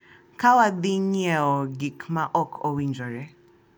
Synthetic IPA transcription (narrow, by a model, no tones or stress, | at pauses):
kʰawad̪iɲɛɔɡikmaʔɔkʰɔwind͡ʒɔɾɛ